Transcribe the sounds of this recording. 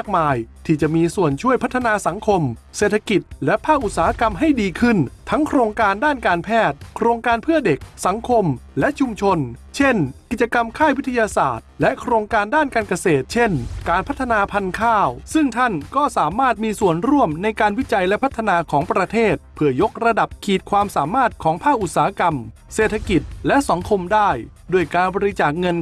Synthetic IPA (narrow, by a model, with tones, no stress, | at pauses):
maː˥˩k̚maː˧jt̪ʰiː˨˩t͡ɕa˨˩ʔmiː˧su˨˩ənt͡ɕʰu˥˩əjpʰa˦˥t̪ʰːa˧naː˧sa˩˦ŋkʰo˧mseː˨˩t̪ʰa˧ki˨˩t̪̚lɛ˦˥pʰaː˥˩k̚ʔu˨˩t̪̚saː˩˦a˦˧˥ka˧mɦa˥˩jdiː˧kʰɯ˥˩nt̪ʰa˦˥ŋkʰɾoː˧ŋkaː˧ndaː˥˩nkaː˧npʰɛː˥˩t̪̚kʰɾoː˧ŋkaː˧npʰɯ˥˩ɐde˨˩k̚sa˩˦ŋkʰo˧mlɛ˦˥ʔt͡ɕʰu˧mt͡ɕʰo˧nt͡ɕʰe˥˩nki˨˩t͡ɕa˧ka˧mkʰaː˥˩jwi˦˥t̪ʰːa˧jaː˧sa̰ː˨˩t̪̚lɛ˦˥ʔkʰɾoː˧ŋkaː˧ndaː˥˩nkaː˧nka˧seː˨˩t̪̚t͡ɕʰe˥˩nkaː˧npʰa˦˥t̪ʰːa˧naː˧pʰa˧nkʰaː˥˩wsɯ˥˩ŋt̪ʰa˥˩nkɔː˥˩saː˩˦maː˥˩t̪̚miː˧su˨˩ənɾu˥˩əmna˧jkaː˧nwi˦˥t͡ɕa˧jlɛ˦˥pʰa˦˥t̪ʰːa˧naː˧kʰɔː˩˦ŋpɾa˧t̪ʰeː˥˩t̪̚pʰɯ˧˩əjo˦˥k̚ɾa˧da˨˩p̚kʰiː˨˩t̪̚kʰwaː˧msaː˩˦maː˥˩t̪̚kʰɔː˩˦ŋpʰaː˥˩k̚ʔu˨˩t̪̚saː˦a˦˥ka˧m | seː˨˩t̪ʰa˧ki˨˩t̪̚lɛ˦˥ʔsa˩˦ŋkʰo˧mdaː˥˩j | doː˧˩əjkaː˧nbɔː˧ɾi˦˧t͡ɕaː˨˩k̚ŋɤ˧n